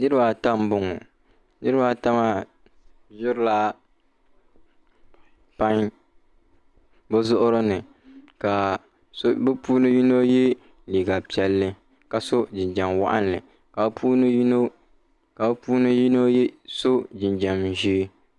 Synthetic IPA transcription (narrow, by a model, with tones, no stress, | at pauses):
nɨ˦ɾɨ˦ba˨ta˦m˦bʊ˦ŋɔ̰˨ | nɨ˦ɾɨ˦ba˨ta˦ma˦ | bʊ˦ɾla˦ | pa˦ŋ | bʊ˦zʊ˦ʔʊ˦ɾɨ˦nɨ˨ | ka˨ | sbɨ˦puː˦nɨ˦ji˦no˦je˦ | liː˨ɡa˨pi˦ɛ˦lːɨ˦ | ka˨so˦d͡ʒɪ˨nd͡ʒa˨mwa̰˦ʔa̰˦nːɨ̰˨ | ka˨˦pʰuː˦n˦no˦ | ka˨bpuː˦nɨ˦ji˦no˦je˦so˦d͡ʒɪ˨nd͡ʒa˨mʒiː˦